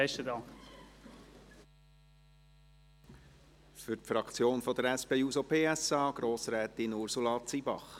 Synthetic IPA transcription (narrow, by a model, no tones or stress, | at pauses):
ɛʃtədɑŋk | fʏɾtfɾɑkt͡sjoːnfɔd̪əɾɛspeːuːzopʰeːæsɑːɡ̥ɾoːsɾɛːt̪ɪnuɾsulɑt͡sibɑ̰χ